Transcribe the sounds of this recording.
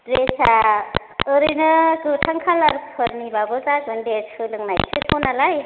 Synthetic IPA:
ɾesʰa | ɯɾɯnɯkɯtʰaŋkʰalaɾppʰɯɾnibabɯzaɡɯndesʰɯlɯŋnajsʰɯtʰɔwnalaj

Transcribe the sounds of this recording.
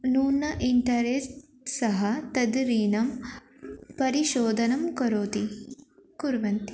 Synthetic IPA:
nuːnɐʔiɳʈɐɾesʈ | sɐɦɐt̪ɐd̪ɾiːnɐm | pɐɾiʃoːd̪ʱɐnɐmkɐɾoːt̪i | kuɾʋɐnt̪i̥

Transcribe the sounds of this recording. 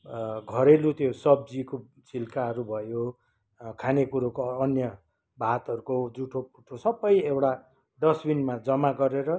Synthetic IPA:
ɡʱʌɾelut̪josʌb̚d͡ziko | t͡silkaɦʌɾubʱʌjo | kʰanekuɾokoːnjʌ | bʱat̪ʌɾukod͡zuʈʰop̚uʈʰosʌbʌjewɽa | ɖʌsbinmad͡zʌmaɡʌɾeɾʌ

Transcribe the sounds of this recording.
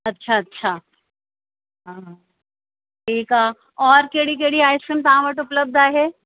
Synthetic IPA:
ɐtːʃʰaɐtːʃʰaː | ɦãː | ʈʰiːkaː | ɔːɾkeːɽik̬eɽiaːjsəmt̪aãʋəʈʊpləb̚d̪aːɦɛ

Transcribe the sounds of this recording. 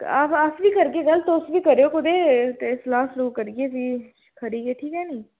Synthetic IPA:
aːpəsʋiːkəɾɡeːɡəlt̪oʊsʋiːkəɾeːoːkʊd̪eːt̪eslaːsloɡkəɾɡeːsĩː | kʰəɾiːɡeːʈ̪ʰiːkɛːniː

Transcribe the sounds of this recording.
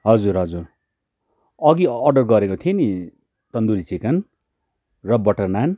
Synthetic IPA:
ɦʌd͡zurɦʌd͡zur | ʌɡiʌrɖʌrɡʌɾekot̪ʰieni | t̪ʌnd̪uɾit͡sikʌn | rʌbʌʈʌrnan

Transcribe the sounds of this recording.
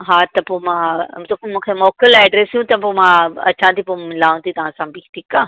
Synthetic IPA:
ɦaːt̪ɐpomãt̪okmũːkʰemɔːkəlɛːɖɾesjũt̪ɐpomãɐ̰t͡ɕãːt̪ʰipomɪlaːũnd̪it̪ɐʋ̤ãsãbiʈʰikaː

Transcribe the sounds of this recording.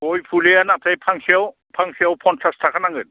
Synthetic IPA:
ojpʰulijanatʰajpʰaŋsiaw | pʰaŋsiawpʰɔntʰastʰakʰanaŋɡɯt

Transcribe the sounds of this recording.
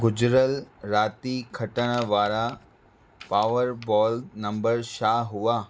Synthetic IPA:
ɡʊd͡ʑɾəlɾaːt̪ikʰɐʈəɽ̃əʋaːɾa | paːʋəɾbɔːlnɐ̃mbəɾʃaːɦuaː

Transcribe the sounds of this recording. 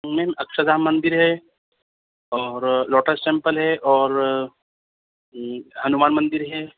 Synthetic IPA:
mɛːmɐkʃad̪aːmːɐ̃nd̪ɪɾɦɛ | ɔːɾlɔːʈəsʈẽːmpəlɦɛʔɔːɾ | ɦɐnumaːnmɐ̃nd̪ɪɾɦɛː

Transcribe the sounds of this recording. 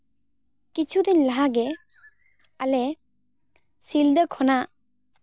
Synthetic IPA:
kit͡ʃʰud̪inlaɦaɡe | ale | sild̪əkʰɔna

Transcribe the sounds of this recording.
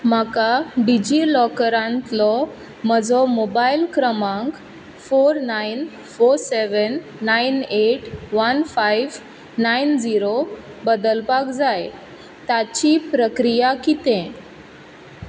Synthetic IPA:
m̤akaɖid͡ʑilɔkɾãnt̪lɔ | məd͡zɔmobailkɾəmãŋk | foɾnain | foɾseʋənː | aineʈʋənfajʋ | naind͡ziɾobəd̪əlpakd͡zaj | t̪at͡ɕipɾəkɾijakit̪ɛ̃

